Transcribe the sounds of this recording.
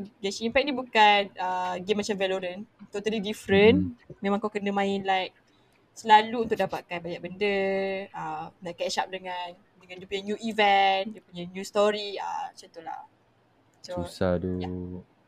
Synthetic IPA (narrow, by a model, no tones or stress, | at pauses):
d͡ʒasiimpɛk̚nibukanəɡemːat͡ʃamvɛloɾənt̪ot̪alidifɾənmẽmãŋkawkənəmãɪnlajk̚ | səlaluunt̪ʊk̚dapat̪̚kanbajak̚bəndəənaʔkɛʃap̚dəŋan | dəŋãndiəpuɲanjuivɛndiəpuɲanjust̪ɔɾiə̰t͡ʃət̪ula̰ | sousadə